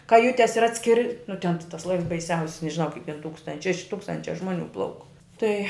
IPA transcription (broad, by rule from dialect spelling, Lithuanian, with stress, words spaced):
kɐˈjʊtʲɛs ɪr ˈɑːtʲsʲkʲɪrʲɪ nʊ tʲɛn tʲɪ tɐs ˈlˠɐɪws bɐɪˈsʲɛʊsʲɪs nʲɛʒʲɪˈnɐʊ kɐɪp tʲɛn ˈtuːkstɐnt͡ʃ ʃʲɛʃ ˈtuːkstɐnʲt͡ʃʲɛ ˈʒmoːˌnʲuː ˈplˠɐʊk ˈtɐɪ